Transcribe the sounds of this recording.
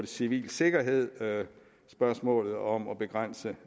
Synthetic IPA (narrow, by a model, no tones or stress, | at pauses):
d̥esiʋḭːlse̝ɡ̥ɐɦe̝ð̞̰ˠ | sb̥ɶɐsmɔ̰̽ːlð̞̩ˠɒ̽mɒ̽b̥e̝ɡ̥ʁɑn̰sə